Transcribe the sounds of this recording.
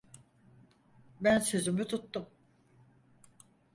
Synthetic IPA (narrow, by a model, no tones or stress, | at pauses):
bænsøzymyt̪ʰut̪ːum